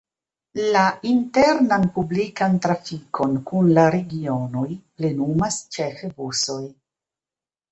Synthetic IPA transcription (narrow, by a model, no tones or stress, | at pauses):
lainte̞ɾnanpublikantɾafikʰo̞nkunlaɾeɡio̞no̞jple̞numast͡ʃefebuso̞j